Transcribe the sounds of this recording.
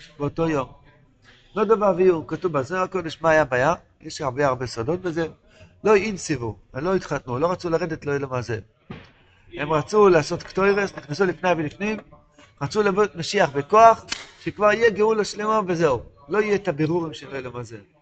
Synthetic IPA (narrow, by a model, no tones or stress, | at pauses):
beoto̞jo̞m | nod̪ovavijumkatuvazmeako̞d̪e̞ʃmaːjabaja | jeʃaʁbe̞aʁbe̞sodo̞t̚be̞ze̞ | lo̞iinsivu | emlo̞it̪χat̪nulo̞ʁat͡sulaʁed̪et̪lo̞ilomaze | he̞mʁat͡sulaːso̞t̪ktojʁesniχnesulifnejvelifnim | ʁat͡sulabomaʃiaχbe̞ko̞aχʃekvaʁijeɡeulaʃlemove̞zeu | lo̞ijet̪abeʁuʁimʃeloilomaze